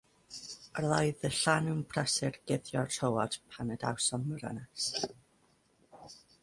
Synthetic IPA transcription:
ərðajðəɬanunpʰrɛsɪrɡ̥ɪðjɔrtʰowad̥pʰanəda̰wsɔnməɾa̰nas

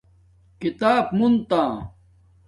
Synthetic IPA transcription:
kit̪aːpmunt̪ãː

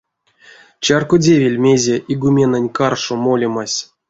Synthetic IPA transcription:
t͡ɕarkodʲevʲilʲmʲezʲeʔiɡumʲenanʲkarʂomolʲemasʲ

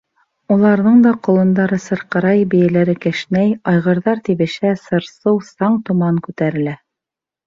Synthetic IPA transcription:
ulˠɑɾðɤɴd̪ɑqŏlˠɤ̆nd̪ɑɾɤsɤ̆ɾqɤ̆ɾɑjbɘ̆jælæɾɘkɘ̆ʃnæjɑjʁɤ̆ɾðɑɾt̪iβɘ̆ʃæsɤ̆ɾsɤwsɑɴt̪umɑɴkʉt̪æɾɘ̆læ

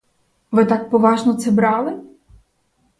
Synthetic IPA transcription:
ʋɪt̪ɑk̚pɔʋɑʒnɔt̪sɛbɾɑlˠɪ

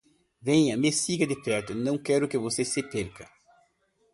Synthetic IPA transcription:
vẽɲɐmesiɡɐd̪ɪpɛɾt̪ʊnɐ̃w̃kɛɾʊkɪvosesepeɾkɐ̰

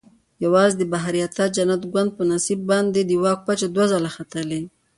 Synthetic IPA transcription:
jawɑzed̪əbaɦaɾijat̪ad͡ʒanat̪ɡwand̪̚pənasibːɑnd̪ed̪əwɑk̚pat͡ʃad̪wazalaxat̪əle

